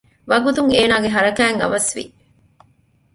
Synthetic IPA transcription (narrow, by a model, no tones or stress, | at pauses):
ʋɐɡut̪uŋeːnaːɡeɦɐɾɐkæːŋɐ̰ʋɐsʋḭ